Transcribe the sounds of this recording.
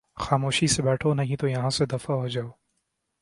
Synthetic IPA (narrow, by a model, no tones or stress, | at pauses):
xaːmoːʃisebɛːʈʰonɐɦĩt̪ojɐɦãːsed̪ɐfaɦod͡ʒaːoː